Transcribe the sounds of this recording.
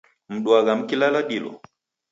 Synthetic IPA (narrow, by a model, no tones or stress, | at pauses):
m̩ɗwaɣam̩kilalaɗilɔ̰